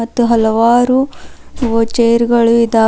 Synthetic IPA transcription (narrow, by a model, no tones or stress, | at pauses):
ɐt̪ːuɦɐlɐʋaːɾuʋoːt͡ʃeːjɾɡɐɭuid̪aː